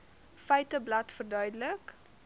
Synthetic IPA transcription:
fɛɥtəblɐtfərdœɥdələk

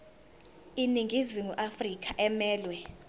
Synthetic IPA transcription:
iniŋʱiziŋuʔafrik̬ʼaʔɛmɛːlwɛ

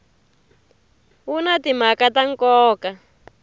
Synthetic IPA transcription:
wunatim̤akataŋkɔːka

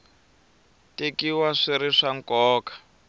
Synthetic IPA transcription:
tekiwaʂiɾiʂaŋkɔːkḁ

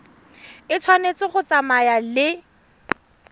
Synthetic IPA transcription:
ɪt͡sʰwanet͡sɪχʊt͡samajalɪ

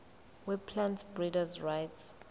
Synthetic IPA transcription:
wipʰlãntbɹidazɹajts

